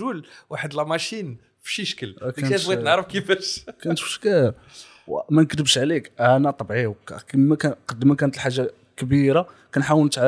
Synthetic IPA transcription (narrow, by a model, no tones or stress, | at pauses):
ulwaħəd̪lmæʃin | fʃiʃə̥kəlkææt̪wænəʕɾəfkifæʃkænət̪fʃkæb | wmænəkd̪əbəʃʕlikʕænæt̪ˤbʕiwkkmækæqɑd̪ːəmækænət̪əlħaʒːa | kəbiɾakænħawənt̪ʕa